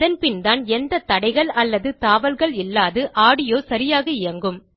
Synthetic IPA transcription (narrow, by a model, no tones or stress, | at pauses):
ðɐnpɪnd̪aːnɛnd̪ɐt̪ɐɽɐɪɣɐɭɐlːɐðɯt̪aːʋɐlɣɐɭɪlːaːðɯʔaːɽɪjoːsɐɾɪjaːɣɐɪjɐŋɡɯm